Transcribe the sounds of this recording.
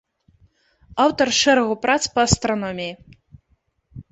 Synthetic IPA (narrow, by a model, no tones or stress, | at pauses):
awt̪ɐrʂɛɾɐɣupɾat̪spɐɐst̪ɾɐnɔmʲiji